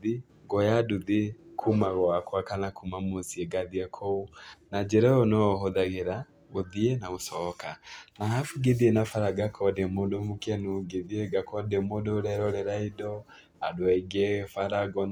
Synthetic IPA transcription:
ði | ɡɔjaduðikʰumaɣɔakwakanakʰumamosiɛɡaðiɛkʰɔonad͡ʒɛɾɛɔnɔɦoðaɣeɾa | ɣoðiɛnaɣosɔkanaɦafuɡeðienafaɾaɡakʰɔdemodomukɛnuɡeðieɡakɔdemodoɾɛɾɔɾɛɾaidɔ | adwɛɡɛfaɾaɡɔn

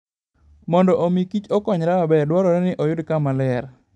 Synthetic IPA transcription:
mɔndɔʔomikit͡ʃɔkɔɲɾaabɛrdwɔɾɔɾɛnɪʔɔjʊdkamalɛr

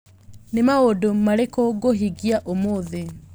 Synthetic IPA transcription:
nemaodomaɾekoɡoɦiɣiaʔomoðe

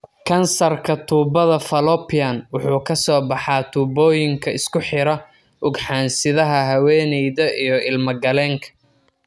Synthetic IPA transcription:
kʰɐnsɐrkʰɐt̪ʰuːbɐðɐfɐlɔpʰijɐnwʊħuːkʰɐsɔːbɑħɑːt̪ʰuːbɔːjɪŋkʰɐɪskʰʊħɪɾɐ | ʔʊɡħɑːnsɪðɐɦɐɦɐwɛːnɛjðɐʔijɞɪlmɐɡɐlɛːŋkʰɐ̥

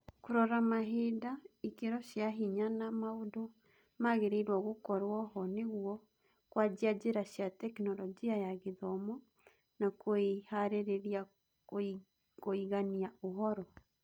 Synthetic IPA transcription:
koɾɔɾamaɦedaikeɾɔʃjaɦiɲanamaodo | maɣeɾeiɾwɔɣokɔɾwɔhɔneɣwɔ | kwad͡ʑiad͡ʒeɾaɕjatɛknɔlɔd͡ʒiajaɣeðɔmɔ | nakoehaɾeɾeɾia | koiɣaniaoɦɔɾɔ

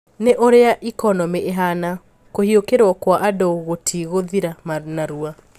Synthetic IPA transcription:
neʔoɾeaʔikɔnɔmeʔeɦana | kohiokeɾwɔkwaʔadoɣotʰiɣoðiɾamanaɾua

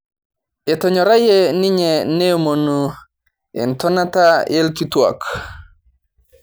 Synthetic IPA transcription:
etɔɲɔɾajeniɲenemonu | ḛntɔnatajelkitua̰k

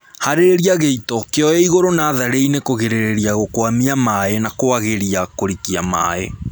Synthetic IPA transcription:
haɾeɾeɾiaɣeitɔkeɔjɛiɣoɾonaːðaɾeinekoɣeɾeɾeɾiaɣokwamiamaenakoaɣeɾiakoɾikiama̰ḛ

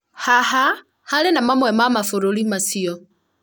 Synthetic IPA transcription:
haha | halenamamwɛmamafoɾolimasiɔ

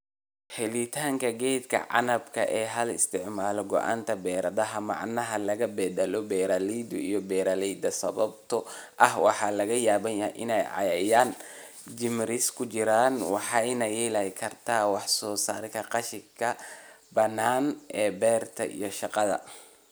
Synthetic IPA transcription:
hɛlɪt̪ʰaːŋkʰɐɡɛːd̪kʰɐ̰ʕɑ̰nɐbkʰɐ̰ʔɛːɦɐlɪst̪ʰɪʕmaːlɔɡɔ̰ʔa̰ːnt̪ʰɐbɛːɾɐðɐɦɐmɑ̰ʕnɐɦɐlɐɣɐbɛːd̪ɐlɔbɛːɾalid̪ʊḭjɔbɛːɾalɛjd̪ɐsɐ̰βɐbt̪ʰɔʔɐhwɑħɑlɐɣɐjaːβɐnjɐʔɪnɛjʕɑ̰jɛjaːn | d͡ʒɪmɾɪskʰʊt͡ʃɪɾaːnwɑ̰ħɑjnɐjɛːlɐjkʰɐrt̪ʰaːwɑħsɔːsaːɾkʰɐqɑʃɪkʰɐ | bɐnːaːnʔɛːbɛːrt̪ʰɐ̰ʔḭjɞʃɑqɑðɐ̰

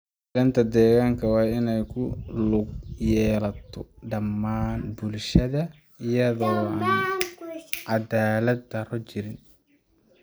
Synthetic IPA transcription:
ɪlɐnt̪ʰɐd̪ɛːɣaːŋkʰɐwɑːɪnɛjkʰʊlʊɡ̚jɛːlɐt̪ʰɔɖɐmːaːnbʊlʃɐðɐ | ɪjɐðɔːaːn | ʕɑd̪aːlɐd̪ɐrɔt͡ʃɪɾɪn

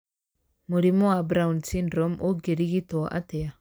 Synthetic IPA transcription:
muɾimoabɾaunsinɾɔmʔoɡeɾiɡit̪oʔa̰t̪ea

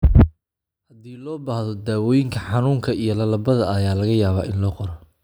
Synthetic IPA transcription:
hɐd̪iːlɔːbaːhðɔd̪aːwɔːjɪŋkʰɐħɑnuːŋkʰɐijɔlɐlɐbɐðɐɐjaːlɐɣɐjaːβa̰ːʔɪnlɔːqɔɾɔ

